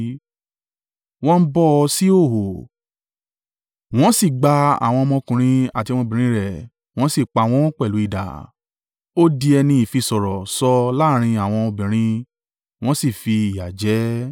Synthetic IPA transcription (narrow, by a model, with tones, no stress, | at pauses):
w̃ɔ̃˦n̩˦bɔ˦ɔ˧si˦o˦˨ɦo˨ | w̃ɔ̃˦si˦˨ɡ͡ba˧a̰˨w̃ɔ̃˧mɔ̃˧kũ˧ɾ̃ĩ˧a˦˨tĩ˧ɔ̃˧bĩ˨ɾĩ˧˦ɾɛ˦˨ | w̃ɔ̃˦si˦˨k͡pa˧˨w̃ɔ̃˧˦ɔ̃˦k͡pɛ˦˨lu˨˦i˦˨da̰˨ | o˦di˧ɛ˧nĩ˧i˨fi˧sɔ˨ɾɔ˨sɔ˧la˦˨ɾ̃ĩ˧a˨w̃ɔ̃˧o˧bĩ˨ɾ̃ĩ˧ | w̃ɔ̃˦si˦˨fi˧i˨ja˨d͡ʒɛ˨˦